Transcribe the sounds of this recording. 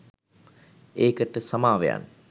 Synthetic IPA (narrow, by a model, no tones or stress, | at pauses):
eːkəʈəsamaːʋeja̰n